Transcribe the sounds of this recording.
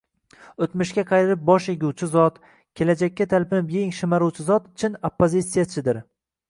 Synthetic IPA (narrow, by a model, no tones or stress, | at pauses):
ɵt̪mɪʃkʲaqʰɑjɾɪɾɪp̚bɒʃjeɡʲuwt͡ʃʰɪzɒt̪ | kʲʰe̞lad͡ʒakʲːat̪ʰalpʰɪnɪpjeŋʃɪmaɾuwt͡ʃʰɪzɒt̪t͡ʃʰɪnopːozʲit̪sijat͡ʃʰɪd̪ɪɾ